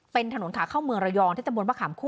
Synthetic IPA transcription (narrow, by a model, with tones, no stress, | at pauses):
pe˧nt̪ʰa˧no˩˦nt̪ʰaː˨˦kʰa˥˩wmɯ˧əŋɾa˧jɔː˧ŋt̪ʰiː˥˩t̪mbnwa˥˩kʰaː˩˦mkʰuː˥˩